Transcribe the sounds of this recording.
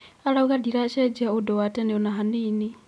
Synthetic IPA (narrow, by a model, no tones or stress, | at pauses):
alauɣadiɾaʃɛd͡ʒaudɔwatɛnɛonaɦaniːni